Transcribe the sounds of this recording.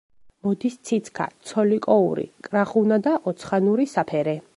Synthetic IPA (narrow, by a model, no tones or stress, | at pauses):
mɔd̪ist̪sʰit̪sʰkʰa̰t̪sʰɔlikʼɔuɾḭkʼɾaχunad̪aʔɔt̪sʰχanuɾisapʰɛɾɛ